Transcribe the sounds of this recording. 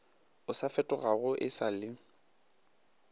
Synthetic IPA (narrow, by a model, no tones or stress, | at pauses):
ʊsafɛtʼɔɣaɣʊʔɪsalɪ